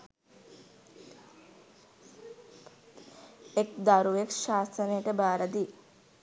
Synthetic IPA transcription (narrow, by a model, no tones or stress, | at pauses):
ekd̪aɾuʋekʃaːsənejʈəbaːɾad̪i